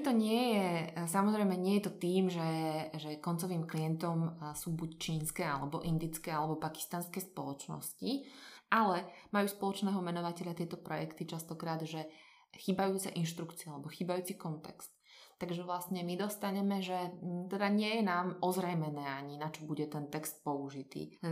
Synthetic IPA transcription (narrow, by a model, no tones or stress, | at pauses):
t̪ɔɲɪɛjɛsamɔzɾɛɪmɛɲɪɛjɛt̪ɔt̪iːmʒɛʒɛkɔnt͡sɔʋiːmkliɛnt̪ɔmsuːbuct͡ʃiːnskɛːalɛbɔ̰ʔind̪it͡skɛːalɛbɔpaki̥st̪anskɛːspɔlɔt͡ʃnɔ̰sciʔalɛmajuːspɔlɔt͡ʃnɛːɦɔmɛnɔʋacɛʎat̪ɪɛt̪ɔpɾɔjɛkt̪it͡ʃast̪ɔkɾaːd̪ʒɛ | xiːbajuːt͡sɛ̰ʔinʃt̪ɾukt͡siaalɛbɔxiːbajuːt͡sikɔnt̪ɛ̰kst̪ː | aɡʒɛʋlasɲɛmid̪ɔst̪aɲɛmɛʒɛt̪ɛd̪aɲɪɛjɛnaːmʔɔzɾɛjmɛnɛːaɲinat͡ʃɔbuɟɛt̪ɛnt̪ɛkst̪̚pɔuʒit̪ḭː